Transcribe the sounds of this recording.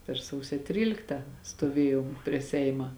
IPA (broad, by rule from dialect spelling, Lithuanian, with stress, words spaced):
pʲɛr ˈsɐʊsʲoː ˈtʲrʲiːlʲɪktɐ stoːˈʋʲeːjoːm pʲrʲiɛ ˈsʲɛɪmɐ